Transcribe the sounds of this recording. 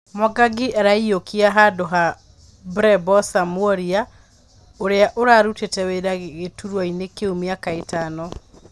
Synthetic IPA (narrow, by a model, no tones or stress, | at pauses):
mɔɡaɡiʔɛɾaiokʰiaɦadoɦa | bɾɛbɔsamwɔɾia | oɾeaʔoɾaɾutetɛweɾaɣeɣetuɾwainekeomjakaetanɔ